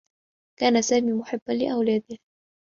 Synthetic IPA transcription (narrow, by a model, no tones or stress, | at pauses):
kaːnasaːmiːmʊħɪbːanlɪʔawlaːd̪ɪh